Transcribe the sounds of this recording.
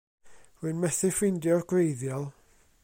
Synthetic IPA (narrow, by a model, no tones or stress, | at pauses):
ruɨnmɛθɪfɪndjɔrɡrejðjɔlˠ